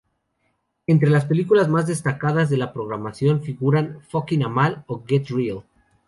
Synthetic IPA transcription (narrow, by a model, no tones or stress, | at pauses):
e̞nt̪ɾe̞laspe̞likulazmazðe̞st̪akaðazðe̞lapɾo̞ɣɾamasjo̞nfiɣuɾanfokinamaloɡet̪ril